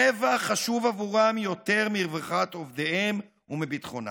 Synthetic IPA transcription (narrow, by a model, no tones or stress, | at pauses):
evaχaʃuvavuʁamjo̞t̪e̞ʁmiʁvaχat̪ovd̪ehem | umibit̪χona̰